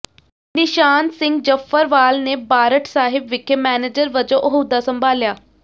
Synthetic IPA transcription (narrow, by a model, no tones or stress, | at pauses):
nɪʃaːnsɪ̃ŋɡd͡ʒəfʰəɾʋaːlneːbaːɾəʈʰsaːɦɪbʋɪkʰemɛːneːd͡ʒəɾʋəd͡ʒõːʔəɦuːd̪aːsəmbʱaːljaː